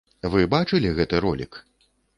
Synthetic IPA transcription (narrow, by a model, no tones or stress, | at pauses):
vɨbat͡ʂɨlʲiɣɛt̪ɨɾɔlʲḭk